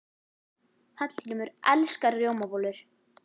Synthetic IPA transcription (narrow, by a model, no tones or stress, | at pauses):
θat̪l̥ʰiːnʏmʏɾʔɛlskaɾrjowmapoːlʏɾ̥